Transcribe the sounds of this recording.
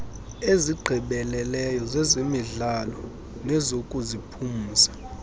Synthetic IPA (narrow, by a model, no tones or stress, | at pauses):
eziɡ͡ǃʱɛɓɛlɛlɛjɔzɛzimiɮalɔ | nɛzokʼuzipʰumuːsḁ